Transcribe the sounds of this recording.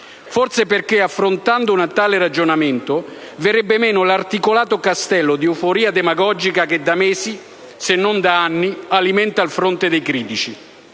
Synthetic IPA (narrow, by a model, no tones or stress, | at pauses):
fɔrt̪sepɪrkeafːɾont̪and̪ʊunat̪aːlɪrad͡ʒonament̪ʊ | vɪɾɛbːɪmɛːnʊlart̪ikolaːt̪ʊkast̪ɛlːʊd̪iufoɾiːad̪emaɡɔd͡ʒikaked̪ːamɛːsi | senːond̪aanːialimɛnt̪alfɾont̪ɪd̪ejkɾiːt̪it͡ʃi